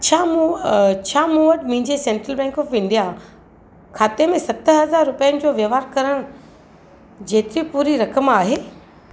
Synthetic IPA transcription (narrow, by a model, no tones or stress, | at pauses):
t͡ɕʰaːmut͡ɕʰaːmũʋəʈmɐ̃ɦɪ̃ɲd͡ʑesẽɳʈɾəlbɛ̃ːŋkɔːfɪ̃nd̪ija | kʰaːt̪emẽsɐt̪əɦɐzaːɾːʊpijənɪ̆d͡ʑoːʋjəʋaːɾkɐɾəɽ̃ | d͡ʑeːt̪ɪɾipuːɾiɾɐkəmaːɦeː